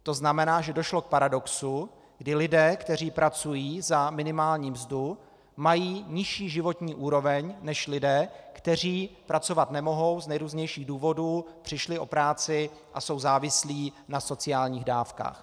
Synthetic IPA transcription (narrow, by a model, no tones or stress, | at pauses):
t̪o̞znamɛnaːʒɛdoʃlok̚paɾado̞ksu | ɡdɪlɪdɛːkt̪ɛriːpɾʔat͡sujiːzamɪnɪmaːlɲiːmzdu | majiːɲɪʃiːʒɪvo̞t̪ɲiːʔuːɾo̞vɛɲnɛʃlɪdɛːkt̪ɛr̝iːpɾat͡so̞vat̪nɛmo̞ɦo̞wznɛjɾuːzɲɛjʃiːɣduːvo̞duːpr̥ɪʃlɪʔo̞pɾaːt͡sɪ | ʔaso̞wzaːvɪsliːnaso̞t͡sɪaːlɲiːɣdaːfka̰ːx